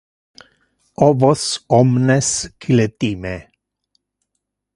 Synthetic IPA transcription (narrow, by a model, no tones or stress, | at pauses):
ɔvɔsɔmneskʰilet̪ime